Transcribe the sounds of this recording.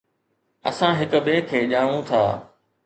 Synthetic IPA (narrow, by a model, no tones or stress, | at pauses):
ɐ̰sãɦɪkbeːkʰːeːʄaːʋũt̪ʰaː